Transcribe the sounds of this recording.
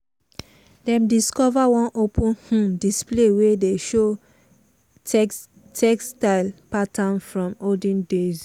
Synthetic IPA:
dɛ̃mdiskɔvawɔ̃nʔopʰũnhũmdisplewedeʃo | tʰɛkstaɪlpatʰãnfɹɔ̃modĩndez

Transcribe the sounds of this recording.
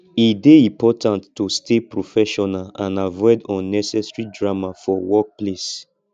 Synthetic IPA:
ideĩpɔtʰãntːostepɹofɛʃɔnalãnavɔɪdɔ̃nnɛsɛsɹidɹamafɔwɔk̚ples

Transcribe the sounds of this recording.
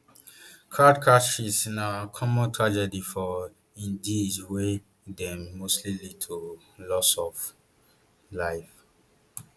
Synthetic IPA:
kʰadkʰaʃisnakʰɔmɔ̃ntʰɹad͡ʒɛdifɔ | ĩndidwe | dɛ̃mːostlilid̚tʰo | lɔsɔv | laɪf

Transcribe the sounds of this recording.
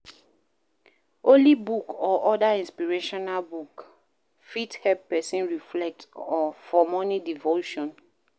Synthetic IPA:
olibukɔʔɔdaĩnspiɹeʃɔnalbuk | fithɛlppɛsĩnɹiflɛk̚tɔfɔmɔnidivoʃɔ̃n

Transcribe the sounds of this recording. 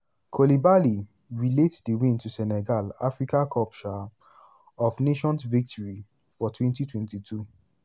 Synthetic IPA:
kʰɔlibali | ɹiletsdiwĩntusɛnɛɡala̰fɹikakʰɔlpt͡ʃɔ | ɔfneʃɔ̃nsvik̚tʰɔɹi | fɔtʰwɛ̃ntitwɛ̃ntitʰu

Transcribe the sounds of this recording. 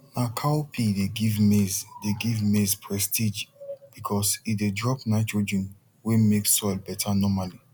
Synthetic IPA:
nakʰawpʰideɡivmezdeɡivmespʰɹɛstid͡ʒb̥ikʰɔsidedɹɔpnaɪt͡ʃod͡ʒɹĩn | wemekssɔɪlbɛtʰanɔmali

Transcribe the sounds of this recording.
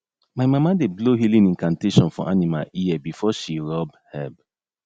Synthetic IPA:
maɪmamadebloɦilĩnĩnkãnteʃɔ̃nfɔ̰ʔanima̰liɛbifɔʃiɹɔbhɛb

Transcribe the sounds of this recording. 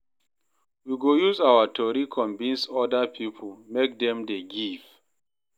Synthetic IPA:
wiɡojuzawatʰɔɹikʰɔ̃ɱvĩnsɔdapʰipʰomek̚dɛ̃mdeɡiv̥

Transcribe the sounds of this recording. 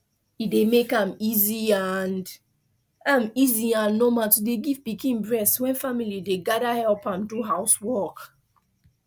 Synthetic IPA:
idemekãmiziand | ãmiziãnːomatudeɡivpikʰĩnbɹɛswɛ̃nfamilideɡadahɛlpãmduɦaʊswɔk

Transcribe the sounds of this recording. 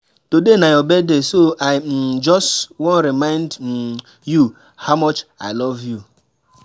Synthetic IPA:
todenajɔbedesoaɪm̩d͡ʒɔstwɔ̃n̩ɾimãɪ̃ndm̩ | ju | haʊmɔt͡ʃa̰ɪlɔvju

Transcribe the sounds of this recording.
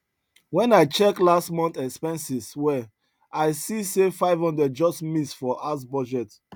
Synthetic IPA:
wɛ̃naɪt͡ʃɛklastmɔ̃nt̪ɛkspɛ̃nsiswɛ | aɪsisefaɪvhɔ̃ndɹɛd̚d͡ʒɔstmitsfɔʔas̬bɔd͡ʒɛt

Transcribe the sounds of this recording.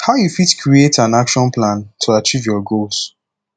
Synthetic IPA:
haʊjufitkʰɹietãnakʃɔ̃nplãntʰuat͡ʃivjɔɡols

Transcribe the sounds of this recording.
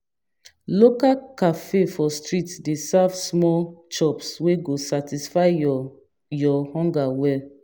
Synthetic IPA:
lokakafefɔstɹitdesavsmɔlt͡ʃɔpsweɡosatisfaɪ | jɔhɔ̃ŋɡawɛl

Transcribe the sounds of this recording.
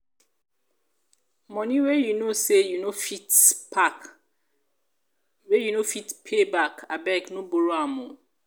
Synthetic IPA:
mɔ̃nĩwejunosejunofitpʰak | wejunofitpʰebakabɛknũboɾoamũ

